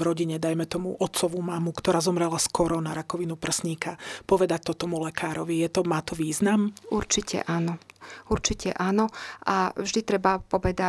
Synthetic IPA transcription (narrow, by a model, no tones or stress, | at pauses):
ɾɔɟiɲɛd̪ajmɛt̪ɔmuʔɔt̪sɔʋumamukt̪ɔɾaːzɔmɾɛlaskɔɾɔnaɾakɔʋinupr̩sɲiːkapɔʋɛd̪ac̚t̪ɔt̪ɔmulɛkʰaːɾɔʋijɛt̪ɔmaːt̪ɔʋiːznamuɾt͡ʃicʰɛ̰ʔaːnɔuɾt͡ʃicʰɛ̰ʔaːnɔʔavʒd̪it̪ɾɛbapɔʋɛd̪a